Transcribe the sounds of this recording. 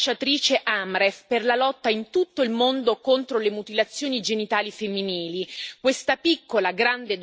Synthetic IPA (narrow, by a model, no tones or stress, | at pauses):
t͡ʃːat̪ɾiːt͡ʃeʔamɾefperlalɔt̪ːaint̪ut̪ːoilmond̪okont̪ɾolemut̪ilat̪sːjoːnid͡ʒenit̪aːlifemːiniːlikwest̪apikːolaɡɾand̪ed̪